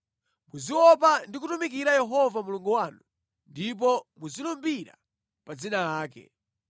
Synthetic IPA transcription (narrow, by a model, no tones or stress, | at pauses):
muziwɔp̬andik̬utumikiɾajɛɦɔvamuluŋɡuwanu | ndip̬ɔmuzilumbiɾa̰ | pad͡zinaaːkɛ̰